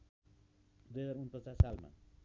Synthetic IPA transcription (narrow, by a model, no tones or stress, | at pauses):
d̪ujɦʌd͡zaɾunpʌt͡sasalma̰